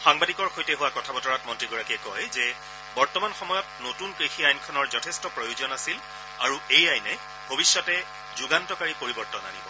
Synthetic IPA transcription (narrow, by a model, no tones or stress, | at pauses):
xaŋbadikɔɹxojtɛɦʊwakɔtʰabɔtɔɹat̚mɔntɹiɡɔɹakiɛkɔjzɛ | bɔɹtɔmanxɔmɔjɔt̚notunkɹixiajnkʰɔnɔɹzɔtʰɛstɔpɹojuzɔnasil | aɹuejajnɛ | bʱobisːɔtɛ | zuɡantɔkaɹipoɹibɔɹtɔna̰nibɔ